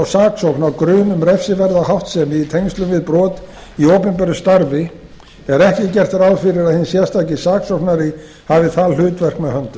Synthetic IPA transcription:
wsaːksɔknawkɾʏːmʏmɾɛfsɪvɛɾðahawht̪sɛmɪit̪ʰejŋst̪lʏmvɪðpɾɔːt̪ | ioːwpɪnp̬ɛɾʏst̪aɾvɪ | ɛɾɛhcɪcɛr̥t̪ɪɾawfɪɾɪɾaðhɪnsjɛ̥st̪aːcɪsaːksɔknaɾɪ | havɪθallʏːt̪vɛr̥kmɛðhœnt̪ʏ

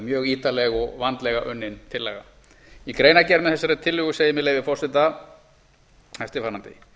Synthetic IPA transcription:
mjœːɣiːt̪alɛɣɔɣvant̪lɛɣaʔʏnːɪnt̪ʰɪlːɛ̰ːɣa̰ | ikɾeːjnacɛɾmɛðθɛsːaɾat̪ʰɪlːʏɣʏsejɪmɪðlejvɪfɔrsɪnt̪a | ɛft̪ɪfaːnːant̪ɪ̰

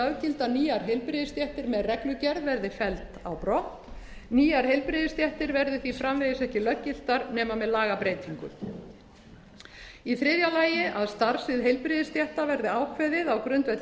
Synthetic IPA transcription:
awcɪlt̪aniːaɾ̥ɦejlpɾɪðɪst̪jɛht̪ɪɾmɛðrɛklʏcɛɾðvɛɾðɪfɛlt̪a̰wpɾɔht̪niːaɾ̥hejlpɾɪːðɪst̪jɛht̪ɪɾvɛɾðʏθifɾamvejðɪsɛhcɪlœcːɪl̥t̪aɾnɛːmamɛðlaːɣapɾeːjt̪ʰiŋkʏ̰ | iθɾɪːðjalaːjɪʔaðst̪aɾ̥sɪðɦejlpɾɪðɪst̪jɛht̪avɛɾðɪaːwkʰvɛðɪðawkɾʏnt̪vɛt̪

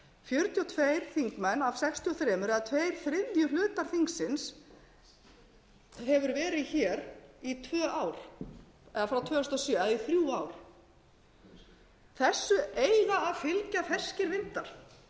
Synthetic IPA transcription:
fjʏɾt̪jɔt̪ʰvejɾ̥θiŋkmɛnːav̥sɛkst̪ʰiɔθɾɛːmʏɾɛðat̪ʰvejɾ̥θɾɪðjʏlʏːt̪aɾ̥θiŋksɪns | ɦɛvʏɾvɛːɾɪðçɛːɾit̪ʰvœːʔaːwɾ̥ | ɛðafɾawt̪ʰvœːst̪ɔsjœːaðiθɾjuːawɾ̥ | θɛsːʏeːjðaːðfɪlcaθɛscɪɾvɪnt̪aɾ̥

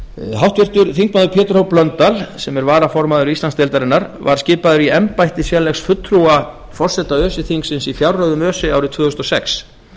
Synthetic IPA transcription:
ɦawht̪vɪr̥t̪ʏɾθiŋk̚maðʏpʰjɛːt̪ʏɾhowplœnt̪alsɛmɛɾvaːɾafɔɾmaðʏɾist̪anst̪ɪlt̪aɾɪnːaɾva̰ɾ̥scɪːpaðʏɾiɛmpajht̪ɪsjɛlɛxsfʏt̪ʰːɾua | fɔr̥sɛt̪aœːsɪθiŋksɪnsiθjawɾrœɣðʏmœːsɪaːwɾɪt̪ʰvʏːhʏst̪ɔsɛks

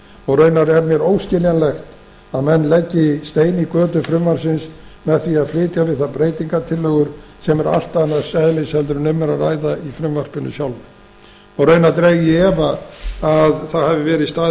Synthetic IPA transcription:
ɔɣrœɥnaɾɛɾmjɛɾoːwscɪljanlɛxt̪ | aðmɛnːlɛcːɪst̪eːjnikœːt̪ʏfɾʏmvansɪnsmɛðθviaðflɪːt̪javɪðθaðpɾeːjt̪iŋkat̪ʰɪlːœɣʏɾ̥sɛmɛɾa̰l̥t̪aɛnːḁsaðɪlɪshɛlt̪ʏɾʏnʏmːɛɾaraːjðaifɾʏmvar̥pɪnʏ̰sjawlʏ | ɔɣrœːɥnat̪ɾeɣɪɛvaː | ðθaðhavɪvɛːɾɪst̪aː

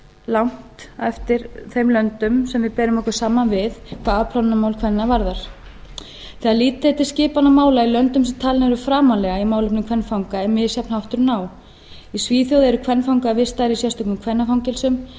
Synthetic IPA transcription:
lawŋ̥t̪ɛft̪ɪɾθejmlœnt̪ʏmsɛmvɪðpɛːɾʏmɔhkʏ̥saːmanvɪðkʰvaːðapʰl̥awnːamawlkʰvɛnːavaɾðaɾ̥ | θɛaliːt̪eɛt̪ɪ̥scɪːpanamaːwlailœnt̪ʏmsɛmt̪ʰaːlnaɛɾʏfɾaːmalɛɣaimaːwlʏpnʏmkʰvɛnfawŋkaɛnmːɪðsjapn̥hawht̪ʏɾnaːw | isviːθjowðɛɾʏkʰvɛnfawŋkavɪst̪aɾisjɛst̪ɔknʏmkʰvɛnːafawŋcɛlsʏm

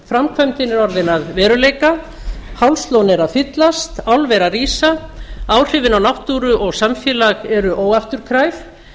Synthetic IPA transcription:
fɾamkʰvœjmt̪ɪnɛɾɔɾðɪnaðvɛːɾʏleːjka | hawlst̪lownɛɾaðfɪt̪last̪awlvɛɾariːsaaːwr̥ɪːvɪnawnawht̪uːɾʏʔɔɣsamfjɛːlaɣɛɾʏʔoːwɣaft̪ʏɾ̥kʰɾajf

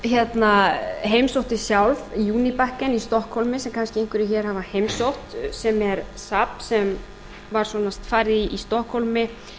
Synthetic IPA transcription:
çjɛt̪naɦejmsowht̪ɪsjawlvjuːnipahkɪnist̪ɔhkhɔlmɪsɛmkʰanscɪejŋ̥kʰvɪɾɪçɛːɾ̥havahejmsowht̪sɛmɛɾsapsɛm | vaɾ̥svɔnast̪faːjɾɪiist̪ɔhkhɔlmɪ

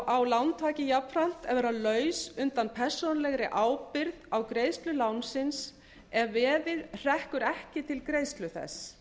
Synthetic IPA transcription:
awlawnt̪ʰvaːcɪjapɾan̥t̪ɛvɛɾalœːɥsʏnt̪anpʰɛr̥sonalɛɣɾɪʔaːwpɪɾðawkɾeːjst̪lʏlawnsɪns | ɛvvɛːðɪðr̥ɛhkʏɾɛhcɪt̪ʰɪlkɾeːjst̪lʏθɛ̰s

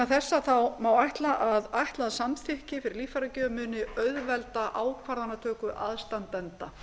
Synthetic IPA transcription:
aθɛsːaθawmaːwajht̪laʔaðajht̪laðsamθɪhcɪfɪɾɪɾliːfaɾacœːmʏnɪœðvɛlt̪aʔaːwkʰvaɾðanːat̪ʰœːkʏʔaðst̪ant̪ɛnt̪a

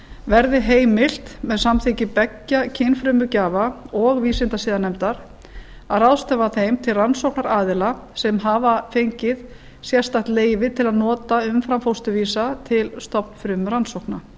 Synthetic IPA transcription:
vɛɾðɪɦeːjmɪl̥t̪mɛðsamθɪcɪpɛcːacʰɪnfɾʏːmʏcaːvaɔɣviːsɪnt̪asɪːðanɛmt̪aɾ̥ | aðrawst̪ɛvaθejmt̪ʰɪlransowknaɾaːðɪla | sɛmɦavafejɲcɪð | sjɛ̥st̪aht̪leːjvɪt̪ʰɪlaðnɔːt̪aʏmfɾamfowst̪ʏviːsat̪ʰɪlst̪ɔpn̥fɾʏːmʏɾansowhkna

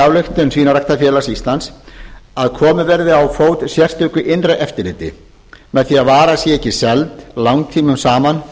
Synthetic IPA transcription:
avlʏxt̪ʏnsviːnaraht̪afjɛːlasist̪lansaðkʰɔːmʏvɛɾðɪawfoːwt̪sjɛr̥t̪ʏːkʏʔɪnraʔɛft̪ɪɾlɪːt̪ɪ̰ | mɛðθiːaðvaːɾasjɛɛhcːɪsɛlt̪lawŋt̪ʰiːmʏmsaːman

